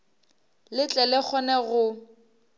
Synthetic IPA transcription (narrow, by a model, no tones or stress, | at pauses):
lɪt͡ɬʼɛlɛk͡xʰɔnɛɣʊ